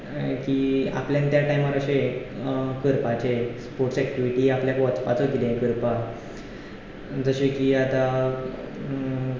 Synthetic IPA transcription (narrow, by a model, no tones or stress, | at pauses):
kia̰pljant̪jaʈajmaɾəɕe | kəɾpat͡ɕespoɾʈsɛk̚ʈiʋiʈiːapljakʋɔt͡spa̰t͡soɡid̪ẽkəɾpa | d͡zəɕekiat̪a